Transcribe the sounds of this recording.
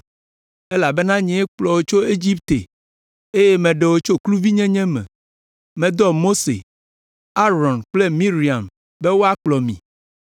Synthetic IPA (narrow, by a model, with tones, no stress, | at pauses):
e˦la˨be˦nã˦ɲɛ̃˨e˦k͡plɔ˨wo˦t͡ʃo˦e˦d͡ʑi˦pt̪e˨ | e˦je˦mɛ̃˨ɖe˨wo˦t͡ʃo˦klu˦vi˦ɲɛ̃˦ɲɛ̃˦mɛ̰̃˨ | mɛ̃˨d̪ɔ˦mo˦sḛ˨ | a˦ɾɔ˨nk͡ple˦mĩ˦ɾi˨a˨m | be˦wo˦a˦k͡plɔ˨mḭ̃˨